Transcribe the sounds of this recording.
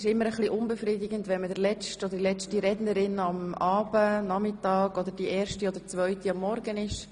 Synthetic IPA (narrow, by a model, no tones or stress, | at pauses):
ʃɪmːəɾəχliʔʊnbɛfɾidɪɡəntʋɛnmədəɾlɛt͡ʃtɔd̪ədilɛt͡ʃtiɾɛdnəɾɪnɑmɑːbənɑmɪtɑːɡɔd̪əɾd̥iʔɛːɾʃtiɔd̪əɾt͡svœʏtiɑmːɔɾɡənɪʃ